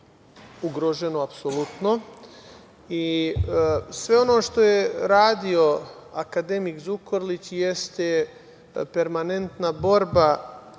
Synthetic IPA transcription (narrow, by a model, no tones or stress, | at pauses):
uɡɾoʒe̞noapsolut̪no̞ | i | sʋe̞o̞no̞ːʃt̪o̞je̞ɾaːd̪io̞akad̪e̞mikzukoɾlit͡ɕje̞st̪e | pe̞ɾmane̞nt̪nabo̞ɾba